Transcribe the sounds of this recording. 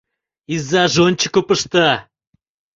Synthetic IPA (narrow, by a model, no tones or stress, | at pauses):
izːɑʒonʲt͡ɕəkopəʃt̪ɑ